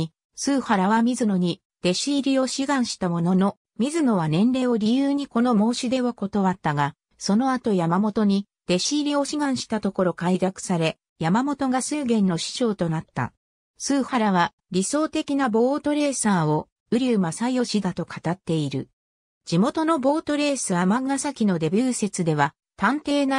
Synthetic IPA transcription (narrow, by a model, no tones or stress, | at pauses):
sɨːhaɾaβamʲizɨno̞ɲ̟i | d̪̥e̞ɕiːɾʲio̞ɕiɡãɰ̃ɕi̥t̪amo̞no̞no̞ | mʲizɨno̞βanẽ̞nɾe̞ːo̞ɾʲijɯːɲ̟iko̞no̞mo̞ːɕid̪e̞βako̞t̪o̞βat̪ːaɡa | so̞no̞at̪o̞jamamo̞t̪o̞ɲ̟i | d̪̥e̞ɕiːɾʲio̞ɕiɡãɰ̃ɕi̥t̪at̪o̞ko̞ɾo̞kaid̪akɯ̟̥saɾe̞ | jamamo̞t̪o̞ɡasɨːɡẽ̞nːo̞ɕi̥t͡ɕo̞ːt̪o̞nat̪ːa̰ | sɨːhaɾaβa | ɾʲiso̞ːt̪e̞kʲinabo̞ːt̪o̞ɾe̞ːsaːo̞ | ɯ̟ɾʲɨːmasaio̞ɕid̪at̪o̞kʰḁt̪at̪ːe̞iɾɯ̟ | d͡ʑimo̞t̪o̞no̞bo̞ːt̪o̞ɾe̞ːsɨβamãŋɡasakʲino̞d̪e̞bʲjɨːse̞t͡sɨd̪e̞βa | t̪ãnt̪e̞ːna